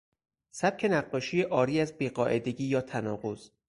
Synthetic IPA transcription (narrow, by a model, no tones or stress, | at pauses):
sæb̥̚cʰe̞næɢːɒːʃiːjeʔɒːɾiːæzbiːɢɒːʔe̞d̪e̞ɡiːjɒːt̪ʰænɒːɢoz̥